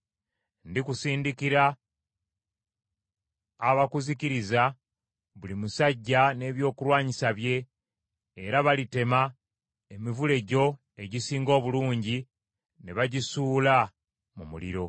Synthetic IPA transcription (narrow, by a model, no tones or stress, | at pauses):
ndikusiːndikiɾa | βakuziciɾiza | βulimusaɟːane̞ːβjo̞ːkulwaːɲisaβje̞ː | ɾaβalite̞ma | e̞mivule̞ɟo̞ | e̞ɟisiːŋɡo̞ːβuluːɲɟi | ne̞βaɟisuːla | mumulḭɾo̞